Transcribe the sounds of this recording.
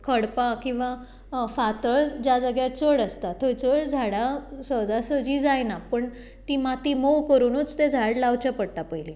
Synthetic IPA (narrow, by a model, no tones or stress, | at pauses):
kʰəɽpakĩw̃ʋa | fat̪əɭd͡ʑjad͡zəɡjat͡səɽəst̪at̪ʰojt͡səɽd͡zʱaɽasəd͡zasəd͡ʑiːd͡zajnapəɳ | t̪iːmat̪iːmowkəɾuːnut͡st̪ed͡zʱaɽlaʋt͡ɕapəɽt̪apəjli